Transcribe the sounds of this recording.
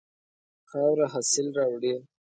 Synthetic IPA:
xawɾaɦasɪlɾɑwɽi

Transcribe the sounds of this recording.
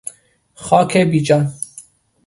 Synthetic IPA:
xɑːkʰebiːd͡ʒɑn

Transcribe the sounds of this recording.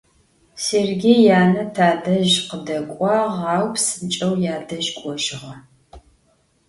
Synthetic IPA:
serɡʲejjaːnɐtʰaːdɐʒqədɐkʷʼɑːʁɑːwpsɨnt͡ʃʼɐwjaːdɐʒkʷʼɔʒɪʁɐ

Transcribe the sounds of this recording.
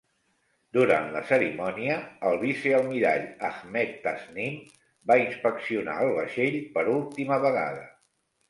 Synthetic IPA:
d̪uɾa̰nlə̰səɾimɔniəːlˠβisiəlˠmiɾa̰ʎaɣmɛt̪ːaznim | bainspəksiuna̰əlˠβəʃeʎpəɾulˠt̪iməβəɣa̰ðə

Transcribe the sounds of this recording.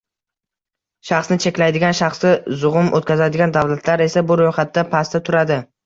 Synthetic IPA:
ʃɑχsnɪt͡ʃʰe̞kʲlajd̪ɪɡʲanʃaχsɪzʊʁʊmʔo̰t̪̚kʲazad̪ɪɡʲand̪awlat̪ʰlaɾe̞sabʊɾojχat̪ːapʰast̪at̪ʰʊɾad̪ɪ

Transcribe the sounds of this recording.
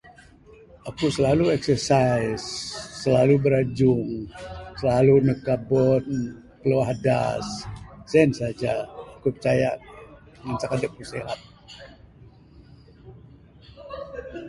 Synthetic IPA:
ʔakusəlaluɛksərsajsːəlalubəɾad͡ʒʊŋsəlalunəkabɔn | kəloaɦada̰ssɛnsad͡ʒaːkupərt͡ʃaja | mansakadəp̚kusḛla̰t̪̚

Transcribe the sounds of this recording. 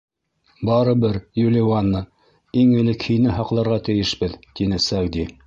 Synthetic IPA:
bɑɾɤbɘɾjulʲiwanːɤ | iŋɘ̆lɘkhɘ̆jnɘɦɑqlˠɑɾʁɑt̪ɘ̆jɘʃbɘðt̪inɘsæwd̪i

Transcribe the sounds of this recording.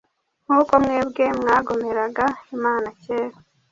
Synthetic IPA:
ŋ̥uːko̞mŋeːbɡe̞mŋaːɡo̞me̞ɾaɡaimaːnaceːɾo

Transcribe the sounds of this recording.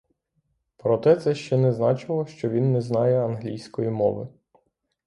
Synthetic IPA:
pɾɔt̪ɛt̪sɛʃt͡ʃɛnɛznɑt͡ʃɪlˠɔʃt͡ʃɔʋʲinːɛznɑjɛɐnɦlʲijsʲkɔjimɔ̰ʋɪ

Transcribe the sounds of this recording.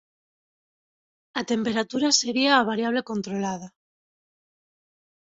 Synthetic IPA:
at̪e̞mpe̞ɾat̪uɾaseβiaːβ̞aɾjaβ̞le̞ko̞nt̪ɾolað̞a

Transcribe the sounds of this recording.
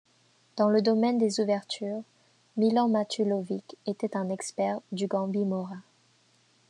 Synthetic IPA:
d̪̥ɑ̃ləd̪ɔmɛnd̪ezuvɛʁt̪ʰyʁ | milɑ̃mat̪ʰylɔviket̪ɛt̪ɛ̃nɛkspɛʁd̪yɡɑ̃bimɔʁa

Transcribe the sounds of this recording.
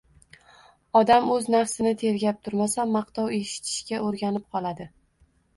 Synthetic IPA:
ɒd̪amɵznafsɪnɪt̪ʰe̞ɾɡʲap̚t̪ʰʊɾmasamːɑqt̪ʰɒwe̞ʃɪ̥t̪ʰɪ̥ʃkʲaoɾɡʲanɪp̚qʰɒlˠad̪ɪ

